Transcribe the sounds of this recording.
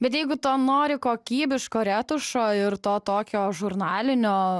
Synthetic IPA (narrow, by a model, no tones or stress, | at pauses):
bʲɛt̪jɛɪɡʊt̪oːnoːɾʲɪkoːkʲiːbʲɪʃkoːɾʲæːt̪ʊʃoːɪɾt̪oːt̪oːkʲoːʒʊɾnɑːlʲɪnʲoː